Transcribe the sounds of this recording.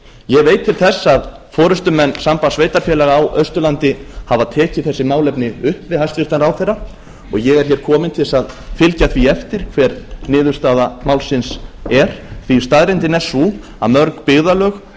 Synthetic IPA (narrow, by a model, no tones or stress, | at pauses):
jɛɣvejt̪ʰːɪlθɛsːaðfɔːɾʏst̪ʏmɛnːsampasveːjt̪aɾ̥fjɛːlɛɣaːwʔœɥst̪ʏlant̪ɪhavaðt̪ʰɛːcɪθɛsːɪmaːwlɛpnɪʏhpvɪðhajst̪vɪɾ̥t̪anɾawθɛrːa | ɔɣjɛɣɛɾ̥çɛːɾ̥kʰɔːmɪnt̪ʰɪlsaðfɪlcaθviɛft̪ɪɾ̥kʰvɛɾnɪːðʏ̥st̪aːðamaːwlsɪnsɛɾ̥θʰvist̪aðɾɪnt̪ɪnɛ̥su | a̰ðmœɾkpɪɣðalœːx